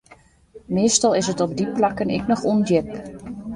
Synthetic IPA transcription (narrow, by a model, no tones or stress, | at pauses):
mɪːstɑlˠɪsətɔb̚diplakənɪ̰knɔxundjɪk